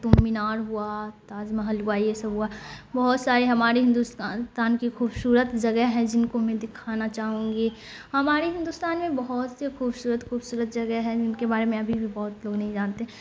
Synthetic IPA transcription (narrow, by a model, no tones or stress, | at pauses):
t̪uminaːɾɦuat̪aːzmãɦɐlɡaːiesɐbʱɦuabɐɦɔt̪saːɾeɦɐmaːɾeɦɪ̃nd̪ust̪t̪aːnkixuːbsuːɾət̪d͡ʒɐɡəɦɛ̃d͡ʒɪnkomɛ̃d̪ɪkʰaːnat͡ʃaːɦũːŋɡi | hɐmaːɾeɦɪ̃nd̪uːst̪aːnmẽbɐɦɔt̪sexuːbsuːɾət̪xuːbsuːɾət̪̚d͡ʒɐɡəɦɛ̃d͡ʒɪnkebaːɾemẽɐbʱibʱibɔɦʊt̪loːɡnɐɦĩd͡ʒaːnt̪eɦɛ̃